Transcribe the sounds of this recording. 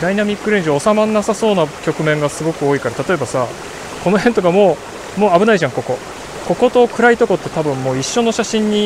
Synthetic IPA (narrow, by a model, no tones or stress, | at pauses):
d̪ainamʲikːɯ̟ɾẽɲʑiːsamanːasaso̞ːnakʲo̞kɯ̟mẽ̞ŋɡasɨɡo̞kɯ̟oːikaɾat̪at̪o̞e̞basa | ko̞no̞ɦẽ̞nt̪o̞kamo̞ː | mo̞ːabɯ̟naiʑãŋko̞ko̞ | ko̞ko̞t̪o̞kɯ̟ɾait̪o̞ko̞t̪ːe̞̥t̪abɯ̟̃mmo̞ːiɕːo̞no̞ɕaɕĩɲ̟ːi